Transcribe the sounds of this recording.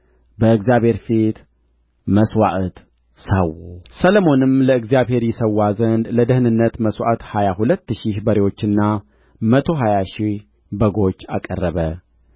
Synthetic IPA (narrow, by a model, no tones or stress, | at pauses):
bəɨɡzjaβhe̞ɾfit̪ | məswaʔt̪ | sawusələmo̞nɨmləɨɡzjaβhe̞ɾjɛsəwːazənd̪ləd̪əhnɨnːət̪məswa̰ʔt̪hajahulət̪ːɨʃihbəɾewo̞t͡ʃːɨnːa | mət̪ʰo̞ɦajaʃih | bəɡo̞t͡ʃːa̰kʼərːəβə